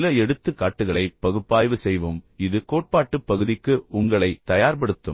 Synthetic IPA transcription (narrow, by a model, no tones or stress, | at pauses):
lɐɛɽɯt̪ːɯkːaːʈːɯɣɐɭɐɪpːɐɣɯpːaːjʋɯsɛjʋɯmɪðɯkoːʈ̚paːʈːɯpːɐɣɯðɪkːɯʊŋɡɐɭɐɪt̪ɐjaːɾp̬ɐɽɯt̪ːɯm